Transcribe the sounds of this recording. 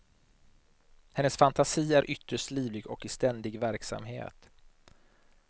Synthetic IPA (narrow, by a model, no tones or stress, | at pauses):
hɛnːəsfant̪ʰasiːæɾʔʏt̪ːəʂtliːvlɪɡɔkɪst̪ɛnd̪ɪɡvæɾksa̰mɦḛːt̪